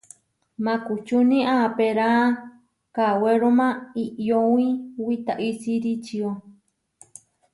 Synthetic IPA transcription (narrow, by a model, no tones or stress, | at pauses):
mãkut͡ʃunĩʔapeɾã | kaweɾomãiʔjow̃ĩwit̪aʔisiɾit͡ʃio